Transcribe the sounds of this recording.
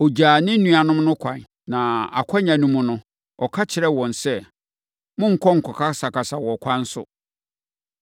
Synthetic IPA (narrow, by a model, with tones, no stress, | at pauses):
o˨d͡ʑaː˨nɪ̃˦n̩˦nũ˦a˨nʊ̃˦mnʊ̃˦kʷʰã˨n | nã˨a̰˨kʷʰɔ˦ɲã˨nũ˦mʊ̃˦nʊ̃˦ | ɔ˨kʰa˦t͡ɕʰɪ˨ɾɛ˦wɔ̃˨nsɛ˦ | mʊ̃˦ŋ̩˨kʰɔ˦ŋ̩˨kʰɔ˨kʰa˦sa˨ka˨sa˨wɔ˨kʷʰã˦n̩˦sʊ̰˦